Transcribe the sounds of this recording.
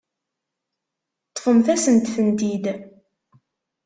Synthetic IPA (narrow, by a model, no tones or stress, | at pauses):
t̪ˤːfəmθæsənt̪θənt̪id̪